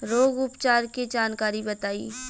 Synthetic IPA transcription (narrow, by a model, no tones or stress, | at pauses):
ɾoːɡʊpt͡ʃaːɾkid͡ʒaːnkaːɾibɐt̪aːḭː